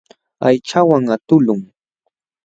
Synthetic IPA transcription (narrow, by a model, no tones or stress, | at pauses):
ajt͡ʃawaŋat̪ʊlʊŋ